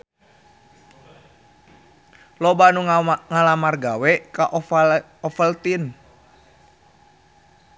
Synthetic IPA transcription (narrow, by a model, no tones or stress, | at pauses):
lobanuŋŋalamarɡawɛkaʔ | ɔfəlt̪in